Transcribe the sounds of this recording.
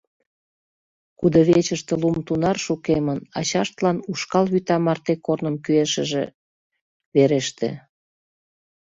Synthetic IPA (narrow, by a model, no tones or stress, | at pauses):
kud̪oβet͡ɕəʃt̪ĕlumt̪unɑrʃukemənɑ̰t͡ɕɑʃt̪lɑnuʃkɑlβyt̪ɑmɑrt̪ekornəmkyeʃə̆ʒḛ | βeɾeʃt̪ḛ